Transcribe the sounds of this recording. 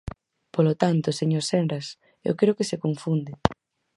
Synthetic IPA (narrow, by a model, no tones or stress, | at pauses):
polot̪ant̪ʊseɲoɾsɛnɾas | ḛwkeɾokɪsekoɱfund̪ɪ